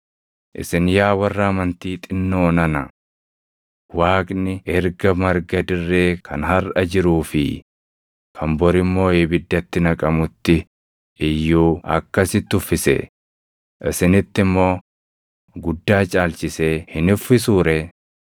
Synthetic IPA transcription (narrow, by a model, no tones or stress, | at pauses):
ʔɪ̰sɪnjaːwɐrːaːmɐnt̪iːt̪ʼɪnːoːnɐnɐ | waːkʼnɪɛɾɡɐmɐɾɡɐd̪ɪrːeːkʰɐ̰nhɐɾʔɐd͡ʒɪɾuːfɪ̰ | kʰɐmbɔɾɪmːo̞ːeːbɪd̪ːɐt̪ːɪnɐkʼɐmʊt̪ːɪ | ʔɪjːuːɐ̰kːɐsɪt̪ːʊfːɪsɛ̰ | ʔɪsɪnɪt̪ːɪmːo̞ː | ɡʊd̪ːaːt͡ʃʼaːlt͡ʃɪseːhɪnʊfːɪsuːɾɛ